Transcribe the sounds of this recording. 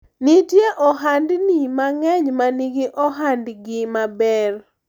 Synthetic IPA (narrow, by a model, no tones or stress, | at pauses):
nitjeʔɔɦandnimaŋɛɲmaniɡɪʔɔɦandɡɪmabɛr